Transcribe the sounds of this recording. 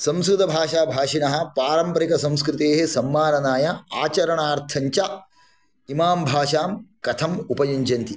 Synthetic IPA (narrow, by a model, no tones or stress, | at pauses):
sɐ̃msɾud̪ɐbʱaːʃaːbʱaːʂinɐɦɐ̆paːɾɐmpɐɾikɐsɐ̃mskɾɪt̪eːɦesɐmːaːnɐnaːjɐaːt͡ʃɐɾɐɳaːɾt̪ʰɐɲt͡ʃɐ | imaːmbʱaːʂaːmkɐt̪ʰɐmupɐjɐɲd͡ʒɐnt̪i